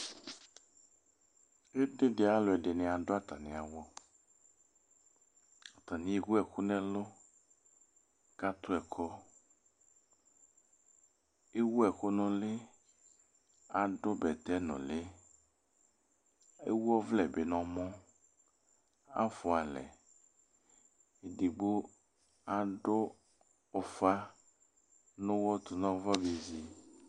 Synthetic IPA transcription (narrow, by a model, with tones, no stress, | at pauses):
e˦ɖe˦de˨a˨lo˨ɛ˨ɖe˨nɛ̃˨a˨ɖo˦a˦t̪a˨nĩ˨a˨wɔ˦ | a˨t̪a˨nĩ˨˦e˦ɡu˦ɛ˨xu˦nɛ̃˦lo˦ | ka˦t̪o˦ɛ˨kʰɔ˦ | e˦wu˦ɛ˨xo˦nɔ̃˦le˦ | a˨ɖo˦bɛ˨t̪ɛ˦nɔ̰̃˨le˦ | ḛ˦wu˦ɔ˦vlɛ˨be˨nɔ̃˨mɔ̃˦ | a̰˦fo˨a˨lɛ̰˨ | e˨ɖe˨ɡ͡bo˦ | a˨ɖo˦ | o˨fa˦ | nõ˦wɔ˦t̪o˨nɔ̃˦vɔ˦be˨zi˨